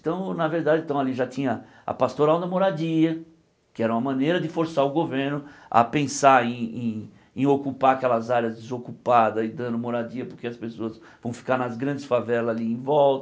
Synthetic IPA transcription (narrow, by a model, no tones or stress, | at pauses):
t̪ɐ̃w̃nɐveɾd̪ad̪ɪ̃t̪ɐ̃w̃aliʒat̪ĩɲɐ | ɐ̰past̪oɾãwd̪ɐmoɾad͡ʒiɐ | kɪɛɾɐumɐmɐ̃nejɾɐd̪ɪfoɾsaɾʊɡoveɾnʊɐ̰pẽsaɾẽj̃ẽ | ẽokupaakɛlɐzaɾjɐzd̪ɪzokupad̪ɐɪd̪ɐ̃nd̪ʊmoɾad͡ʒiɐpoɾkeɐspesoɐz | vɐ̃w̃fi̥kaɾnɐzɡɾɐ̃nd͡ʒ̪ɪsfavɛlɐzaliẽj̃vɔlt̪ɐ